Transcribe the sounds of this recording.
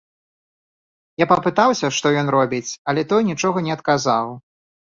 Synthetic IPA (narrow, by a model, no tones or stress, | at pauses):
japɐpɨt̪awsʲɐʂt̪ɔjɔnrɔbʲit͡sʲɐlʲɛt̪ɔjnʲit͡ʂɔɣɐnʲɛɐt̪kazaw